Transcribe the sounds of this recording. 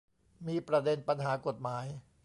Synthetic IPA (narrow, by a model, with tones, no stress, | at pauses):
miː˧pɾa˧de˧npa˧nɦaː˩˦ko˨˩t̪̚maː˩˦j